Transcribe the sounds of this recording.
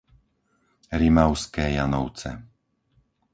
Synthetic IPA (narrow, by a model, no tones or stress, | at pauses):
ɾimaʊskɛːjanɔʊt͡sɛ̰